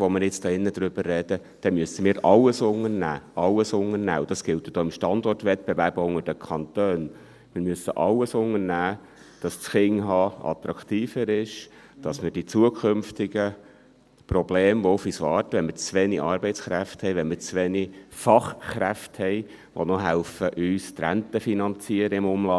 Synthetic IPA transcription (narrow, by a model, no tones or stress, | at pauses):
ʋɔmɪɾjɪt͡st̪ɑɪnːəd̪ɾʏb̥ərːɛd̥əd̥ɛmyəsəmiːɾɑlːəsʊŋərnæ̰ːɑlːəsʊŋənæ̰ːʊd̥ɑsɡ̥ɪltjəd̥ɔːɪmʃtɑnd̪ɔrtʋɛt̚b̥ɛvæɾbəʊŋəɾd̥əkʰɑnt̪øːn | mɪɾmyəsəʔɑlːəsʊŋəɾnæː | d̥ɑssχɪŋɦɑːɑ̰t̪ɾɑkt̪iːfəɾɪʃ | d̥ɑsmɪɾd̥it͡suəkʰχʏmftɪɡə | prɔbleːmʋɔʊfyːsʋɑːrtʋɛnmɪt͡sʋɛniʔɑːɾbɛɪt͡sχɾæfthɛɪʋɛnmɪt͡sʋɛnifɑχχɾæfthɛɪ | ʋo̰nɔɦælfəʔyːstɾæntəfinɑnt͡siːəɾəɪmʊmlɑ